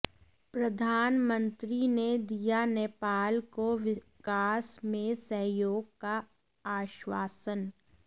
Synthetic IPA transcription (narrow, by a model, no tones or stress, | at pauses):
pɾəd̪ʱaːnmə̃nt̪ɾined̪ijaneːpaːlkoʋɪ | kaːsmẽsəɦjoːɡ̚ka | aːʃwaːsən